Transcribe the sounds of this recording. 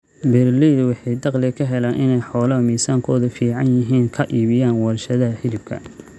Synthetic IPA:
bɛrliːdwɑħɑjd̪ɑqlɪkʰɐɦɛlaːʔɪnɛjħɔːlɐɦɐmiːsaːŋkʰɔːðʊfiːʕɑnjɪɦiːŋkʰɐʔiːβɪjaːnwɐrʃɐðɐɐħɪlɪbkʰɐ̰

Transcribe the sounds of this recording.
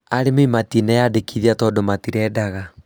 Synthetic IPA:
aɾemeimatinɛjadekiðiatɔdomatiɾɛːdaɣa

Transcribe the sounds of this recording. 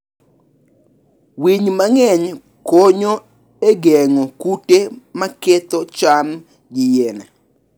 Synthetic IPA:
wiɲmaŋɛɲ | koɲo | eɡɛŋokutemaket̪ɔt͡ʃam | ɡɪjenɛ

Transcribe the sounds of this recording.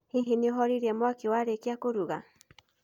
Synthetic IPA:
hiɦeniɔɦɔɾiɾɛmwakewaɾekiakoɾuɣa

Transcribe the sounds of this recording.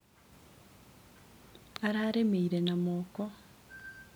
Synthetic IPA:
aɾaɾemeiɾenamɔːkɔ

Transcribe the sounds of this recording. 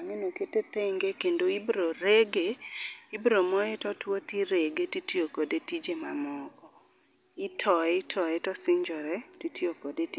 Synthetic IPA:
amenoketet̪eŋɡekendoibɾoɾeɡeibɾomɔɛtɔtwot̪iɾeɡetitijokodetid͡ʒemamɔkɔ | ɪtʰɔɛtʰɔɛtɔsɪɲd͡ʒɔɾɛtitiokodeti

